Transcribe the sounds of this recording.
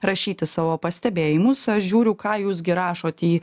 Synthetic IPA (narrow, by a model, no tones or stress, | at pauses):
ɾɐʃʲiːt̪ʲɪsɑːʋoːpɐsʲt̪ʲɛbʲeːjɪmʊsɐʃʒʲuːɾʲʊkɑːjuːs̬ɡʲɪɾɑːʃoːt̪ʲiː